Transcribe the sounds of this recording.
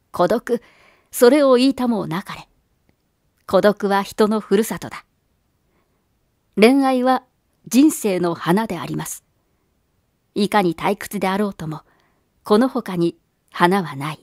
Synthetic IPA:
kʰo̞d̪o̞kɯ̟ | so̞ɾe̞o̞iːt̪amo̞ːnakaɾe | ko̞d̪o̞kɯ̟βaçi̥t̪o̞no̞ɸɯ̟ɾɯ̟sat̪o̞̰d̪̥a | ɾẽ̞ɰ̃aiβa | d͡ʑĩɰ̃se̞ːno̞hanad̪e̞a̰ɾʲimasɨ̥ | ikaɲ̟it̪aikɯ̥t͡sɨd̪e̞aɾo̞ːt̪o̞mo̞ | ko̞no̞ho̞kaɲ̟i | hanaβanai

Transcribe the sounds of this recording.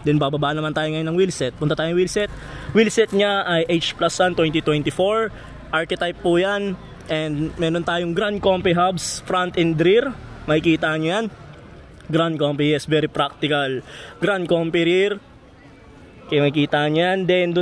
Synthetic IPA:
d̪ɛnbabɐbaːʔnɐmant̪aːjoŋɐjonːɐŋwilsɛt̪̚pʊnt̪ɐt̪aːjowilsɛt̪̚wilsɛt̪̚ɲaʔɐjʔejt͡ʃplaswant̪wɛnt̪it̪wɛnt̪ɪfoɹ | ʔaɹkɛt̪ajpːujan | ʔɛnd̪mɛːɾont̪aːjoŋɡɾand̪̚kompiɦabsfɾant̪ɛnd̪ɾiɾmɐkɪkiːt̪aɲojan | ɡɾand̪̚kompijɛsvɛɾipɾak̚t̪ɪkɐlɡɾand̪̚kompiɾiɹ | kɐjamɐɪkiːt̪aɲjand̪ɛnd̪ʊ

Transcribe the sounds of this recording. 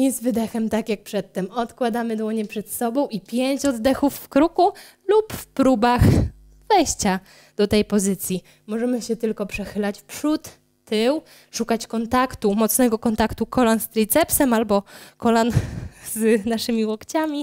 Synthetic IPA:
ɲɛzvɘd̪ɛxɛmt̪akʲjak̚pʂɛt̪ːɛmɔt̪kwad̪amɘd̪wɔɲɛpʂɛt̪sɔbɔ̃w̃ipʲjeɲt͡ɕɔd̪ːɛxufːkɾuku | lupfpɾubax | vɛjɕt͡ɕa | d̪̥ɔt̪ɛjpɔzɘt̪sʲji | mɔʐɛmɘɕɛt̪ɘlkɔpʂɛxɘlat͡ɕpʂut̪ː | ɘw | ʂukat͡ɕkɔnt̪akt̪umɔt̪snɛɡɔkɔnt̪akt̪ukɔlanst̪ɾit̪sɛpsɛmalbɔkɔlanznaʂɘmʲiwɔkt͡ɕamʲi

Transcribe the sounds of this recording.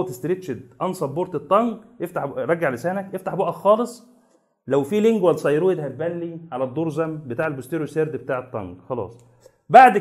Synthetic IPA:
t̪e̥st̪ɾeʃed̪ʔɑnsˤɑbboɾt̪et̪ˤːɑŋɡʔeft̪aħɾˤɑɡːaʕlesæːnækʔeft̪aħboʔæxɑːlesˤ | læwfileŋɡwælsˤɑjɾoed̪hæt̪̚bænːiʕalæd̪ˤːoːɾˤzæmbet̪aːʕelbost̪eɾjoseɾd̪bet̪aːʕet̪ˤːɑ̰ŋɡxɑlɑ̰ːsˤ | baʕd̪

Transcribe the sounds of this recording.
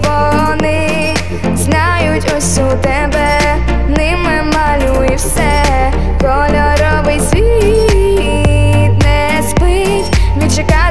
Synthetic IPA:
vɔnɪ | znajʊtʲɔsʲut̪ɛbɛ | nɪmɛmalʲu | iwsɛ | kɔlʲɔɾɔbɨjsʲʋʲi | t̪nɛ | spɨ | tʲmʲit͡ʃɪka

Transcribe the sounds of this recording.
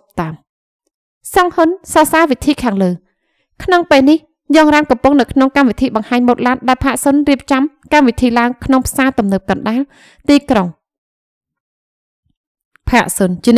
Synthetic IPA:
p̚t̪am | sɑŋhunsɑsaːʋit̪ʰiːkʰaːŋləː | kʰnoŋpeːlnih | jɑːŋraːnkɑmpʊŋnɨwkʰnoŋkamʋit̪ʰiːɓɑŋhaːɲmoːt̪̚laːt̪̚ɗaɛlpʰaːʔsunriəp̚t͡ɕɑmkamʋit̪ʰiːlaəŋkʰnoŋpʰsaːt̪umnɨp̚kɑnɗaːl | t̪iːkroŋ | pʰaːʔsunt͡ɕiən

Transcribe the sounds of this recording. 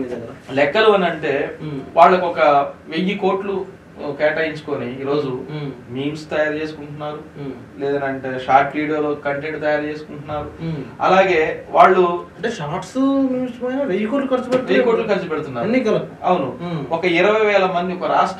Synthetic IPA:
ɐɐlɛkːɐluɐnɐɳʈe̞ːʋaːɭːɐkɔkɐʋejiko̞ːʈlu | kɛːʈɐjiɲt͡ʃu̥ko̞ːniiːɾo̞ːd͡ʒumiːmst̪ɐjaːɾt͡ʃe̞ːsu̥kuɳʈunːaːɾu | lɛːd̪ɐnɐɳʈeːʃaːɾʈliːɽɐɾloːkɐɳʈeɳʈ̚t̪ɐjaːɾt͡ʃe̞ːsu̥kuɳʈunːaːɾuɐ̰laːɡe̞ːʋaːɭːuɐɳʈeːʃaːʈsmiːmspɐjnaʋejukoːʈlukɐɾt͡ʃupɛejukoːʈlukɐɾt͡ʃupɛɽt̪unːaːɾɐnːikɐɐɐwnuɔkɐiɾɐʋɐjʋɛːlɐmɐnd̪iɔkɐɾaːʂʈ

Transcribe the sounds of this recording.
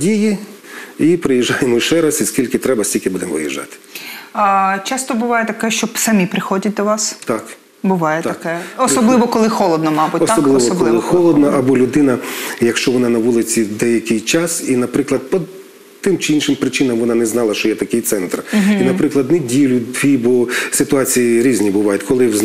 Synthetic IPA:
dʲiji | ipɾɪjiʒːɑjemɔʃɛɾɐsʲisʲkʲilʲkɪt̪ɾɛbɐsʲtʲilʲkʲɪbud̪emʋɪ̰jḭʒɑ̰t̪ɪ̥ | t͡ʃɑst̪ɔbʊʋɑjɛt̪ɐkɛʃt͡ʃɔsɐmʲipɾɪxɔdʲɐt̚ʲd̪ɔʋɑst̪ɑk | bʊʋɑjɛt̪ɐkɛɔsɔblˠɪʋɔkɔlˠɪxɔlˠɔd̪nɔmɑbʊɔt̪ɔlˠːɪʋɔklɔlˠɪxɔlˠɔd̪nɐʔɐbɔlʲʊd̪ɪnɐjɐkʃt͡ʃɔʋɔnɑnɐʋulˠɪt͡sʲid̪ɛjɐkʲɪjt͡ʃɑsinɐpɾɪklˠɐd̪̚pɔ | t̪ɪmt͡ʃɪinʃɪmpɾɪt͡ʃɪnɐmʋɔnɑnɛznɑlˠɐʃt͡ʃɔjɛt̪ɐkɪjt̪sɛnt̪rɦinɐpɾɪklˠɐd̪nedʲilʲʊd̪ʲʋʲibɔsɪt̪ʊɑt͡sʲijiɾʲizʲnʲibʊʋɑjʊtʲkɔlˠɪz

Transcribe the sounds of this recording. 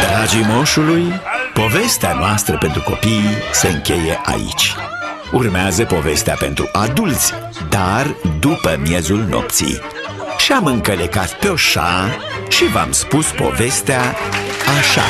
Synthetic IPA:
d̪ɾad͡ʒimoʃulujpo̞ve̞st̪eanoast̪ɾəpe̞nt̪ɾuko̞̰pijse̞ɨŋkʲe̞jeʔa̰ḭt͡ʃʲ | urmeazəpo̞ve̞st̪eape̞̰nt̪ɾuʔad̪ult̪sʲ | d̪ard̪upəmje̞zulno̞̰p̚t̪sḭj | ʃiamɨŋkəlekat̪peo̞ʃa̰ | ʃiva̰mspuspo̞̰ve̞st̪eaː | ʃa̰

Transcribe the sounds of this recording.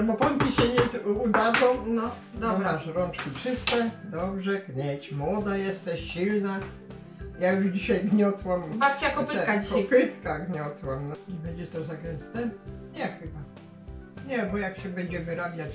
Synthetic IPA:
bɔpɔmpʲiɕɛɲɛzud̪ad̪ɔ̃nɔ | d̪ɾazɾɔnt͡ʂkʲit͡ʂɪst̪ɛd̪ɔbʐɛɡɲɛt͡ɕmwɔd̪ajɛst̪ɛɕɕilna | jajuʐd͡ʑiɕajɡɲɔt̪wambat͡ɕɛakɔpkaɔpɪt̪kaɡɲɔt̪wamnɛbɛɲd͡ʑɛt̪ɔzaɡɛ̃nst̪ɛɲɛxɘba | ɲɛbɔjakɕɛbɛɲd͡ʑɛmɨɾabʲjat͡ɕ

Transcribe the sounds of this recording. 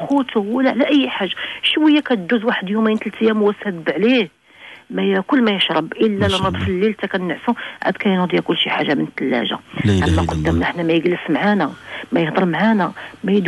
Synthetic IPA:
xut̪uwəlːæʕlæʔəjːħaʒːaʃwəjːækæt̪d̪uzwaħəd̪jumːint̪lt̪jːæmwæsæb̪b̪ʕli | mæjækʊlːmæjəʃɾˤɑbʔəlːælənɑt̪ˤfəlːilt̪ækænːəʕsuʕa̰d̪kæjnd̪jækʊlːʃiħaʒːamənt̪ːəlːæ̰ʒa̰ʕæmːæqʊd̪ːæmnəħnæmæjəɡləsmʕanæmæjəhd̪ˤɑɾˤmʕanæmæjd̪

